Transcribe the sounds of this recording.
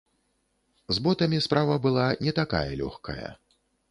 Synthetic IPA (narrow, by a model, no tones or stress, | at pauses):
zbɔt̪ɐmʲispɾavɐbɨlˠanʲɛt̪aka̰jɐ̰lʲɔ̰xkɐ̰jɐ̰